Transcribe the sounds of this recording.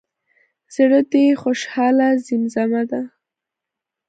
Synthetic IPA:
z̥əɽət̪exoʃhɑlazɪmzamad̪a

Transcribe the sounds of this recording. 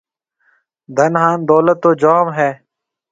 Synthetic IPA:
d̪ʱənɦaːnd̪oːlət̪ːoːd͡ʒaːmɦɛː

